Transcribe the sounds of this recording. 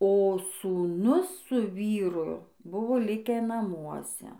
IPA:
oː suːˈnʊs sʊ ˈʋʲiːrʊ ˈbʊʋoː ˈlʲɪkʲæː nɐˈmuɔsʲɛ

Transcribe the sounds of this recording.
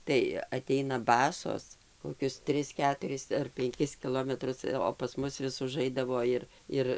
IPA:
tɐɪ ɐˈtʲɛɪnɐ ˈbɑːsoːs koːˈkʲʊs ˈtʲrʲɪs ˈkʲæːtʊrʲɪs ɐr pʲɛŋʲˈkʲɪs kʲɪˈlˠoːmʲɛtrʊs oː pɐs ˈmʊs ʋʲɪs ʊˈʒɐɪdɐʋoː ˈɪr ˈɪr

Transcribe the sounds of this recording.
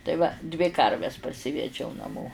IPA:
tɐɪ ˈʋɐ dʲʋʲɪ ˈkɐrʲʋʲɛs pɐrʲˈsʲɪʋʲɛd͡ʒʲɛʊ nɐˈmoː

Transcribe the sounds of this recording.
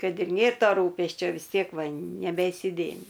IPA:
ˈkɐt ɪr ˈnʲeːr ˈtoː ˈruːpʲɛsʲt͡ʃʲoː ʋʲɪs ˈtʲiɛk ˈʋɐ nʲɛbʲɛɪsʲɪˈdʲeːmʲɪ

